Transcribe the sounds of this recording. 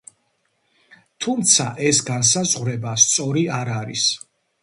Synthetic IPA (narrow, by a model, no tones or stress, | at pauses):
t̪ʰumt̪sʰaʔɛsɡans̬azʁɾɛbast̪sʼɔɾiaɾaɾis